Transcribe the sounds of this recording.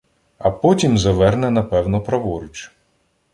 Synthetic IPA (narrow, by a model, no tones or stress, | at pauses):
ɐpɔtʲimzɐʋɛrnɛnɐpɛwnɔpɾɐʋɔɾɪt͡ʃ